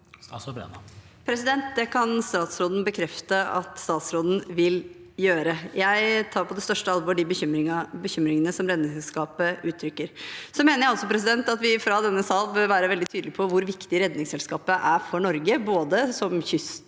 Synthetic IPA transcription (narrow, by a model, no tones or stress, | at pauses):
pʰɾɛsɪd̪ɛnt̪̚d̪ɛkʰɑnst̪ɑːt̪sɾoːd̪n̩bəkʰɾɛft̪əɑ̰t̪st̪ɑːt̪sɾoːd̪n̩ʋɪl | jøːɾəjæɪt̪ʰɑːɾpʰɔd̪ɛst̪œʂʈəɑlʋoːɖɪbəçmɪbəçʏmɾɪŋənəsɔmɾɛd̪nɪŋsɛlskɑːpəʉːt̪ʰːɾʏkːəɾsɔmeːnəɾjæɪɔlsɔpʰɾɛs̬ɪd̪ɛnt̪ɑt̪ʋɪfɾɑd̪ɛnːəsɑːlʋɛlʋæːɾəʋɛld̪ɪt̪ʰyːd̪lɪpʰɔʋʊɾʋɪkt̪ɪəɾɛd̪nɪŋsɛlskɑːpəʔæɾfɔɳɔɾɡəboːd̪əsɔmçʏst̪